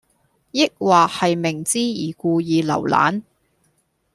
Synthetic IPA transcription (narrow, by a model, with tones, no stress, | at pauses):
jɪ˥k̚waː˨hɐ˨jmɪ˨˩ŋt͡siː˥jiː˨˩kuː˧jiː˨lɐ̰˨˩wla̰ː˨˥n